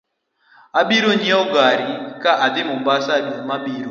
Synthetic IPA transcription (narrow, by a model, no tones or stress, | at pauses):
abiɾoɲɛɔɡaɾɪkaʔad̪ɪmʊmbasadumabiɾo